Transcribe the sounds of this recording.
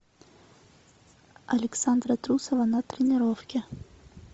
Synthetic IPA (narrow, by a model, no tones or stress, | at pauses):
ɐlʲɪksand̪ɾɐt̪ɾusɔvɐnɐt̪ɾʲɪnʲɪɾɔfkʲɛ